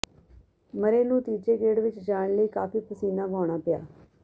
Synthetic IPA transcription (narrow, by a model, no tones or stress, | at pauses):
məɾeːnũːt̪iːd͡ʒeːɡeːɽʋɪt͡ʃd͡ʒaːɳləiːkaːpiːpəsiːnãːʋaːɳ̃aːpɪja̰ː